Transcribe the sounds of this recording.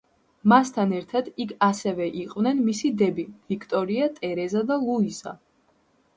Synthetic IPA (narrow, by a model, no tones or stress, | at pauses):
mast̪ʰanɛɾt̪ʰad̪ikʰasɛvɛʔiqʼvnɛnmisid̪ɛbiv̥ikʰt̪ʼɔɾiat̪ʼɛɾɛzad̪alˠuisa̰